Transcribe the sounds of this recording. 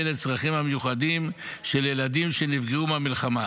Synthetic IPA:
let͡sʁaχimhamejuχad̪im | ʃe̞ljeladimʃe̞nivɡeumamilχama

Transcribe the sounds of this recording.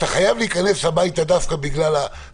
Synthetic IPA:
t̪aχajavliːkane̞slabajt̪ad̪afkabiɡlala

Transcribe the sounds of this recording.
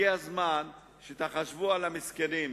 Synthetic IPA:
iazman | ʃet̪aχaʃvualamiskenim

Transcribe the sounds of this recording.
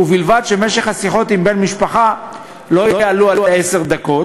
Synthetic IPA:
uvilvad̪ʃe̞me̞ʃeχhasiχo̞t̪imbe̞nmiʃpaχa | lo̞jjaalualuese̞ʁd̪ako̞

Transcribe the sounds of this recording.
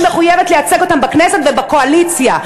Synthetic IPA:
meχujevetleat͡seɡo̞t̪ambaknesetvebako̞alit͡sja

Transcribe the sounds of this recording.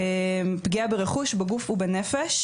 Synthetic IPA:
empɡiabeʁeχuʃbeɡufubenefeʃ

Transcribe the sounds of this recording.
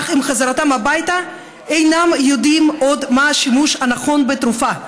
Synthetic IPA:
χimχazaʁatamhabajta | ejnamjo̞dimo̞d̪maaʃimuʃhanaχo̞nbetɾufa

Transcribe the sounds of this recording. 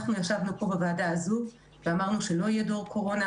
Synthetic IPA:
χnujeχʃavnupo̞bevaːdaːzu | veamaʁnuʃe̞lo̞ijedoʁkʰo̞ʁo̞na

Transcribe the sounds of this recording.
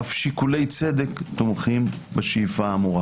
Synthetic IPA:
afʃikule̞jt͡se̞d̪e̞kt̪omχim | beʃijfaːmuʁa

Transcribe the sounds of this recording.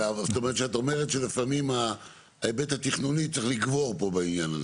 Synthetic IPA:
avset̪ome̞ʁet̪ʃeat̪o̞meʁet̪ʃelifamima | ebet̪hat̪iχnunit͡s̪eχliɡvo̞ʁpo̞bainjana̰ze

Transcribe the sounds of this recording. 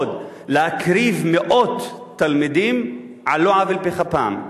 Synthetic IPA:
d̪ | leakɾivmeʔot̪ː | almid̪im | ʕaloʕavelpiχapaːm

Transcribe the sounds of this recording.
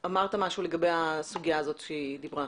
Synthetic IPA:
amaʁt̪amaʃule̞ɡabe̞jasuɡijaːzo̞t̪ʃeid̪ibʁa

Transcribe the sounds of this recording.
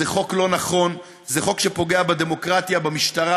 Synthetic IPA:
eχo̞klo̞naχo̞n | zeχo̞kʃe̞po̞ɡe̞abad̪e̞mo̞kʁat̪jabamiʃt̪aʁa

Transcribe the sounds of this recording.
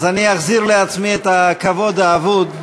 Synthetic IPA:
zaniaχziʁleat͡smiet̪akavo̞d̪aːvud̪

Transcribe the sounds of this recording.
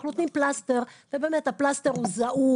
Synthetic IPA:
χlot̪nimplast̪eʁvebemet̪aplast̪eʁuzaʔu

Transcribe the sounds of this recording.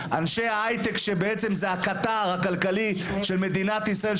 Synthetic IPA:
ʔanʃeaajt̪ekʃebeet͡se̞mzeɦakat̪aʁhakalkali | ʃe̞lme̞d̪inat̪isʁael

